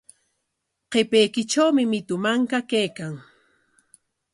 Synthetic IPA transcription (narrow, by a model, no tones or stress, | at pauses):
qepejkɪt͡ʃawmɪmɪt̪ʊmaŋkakajkaŋ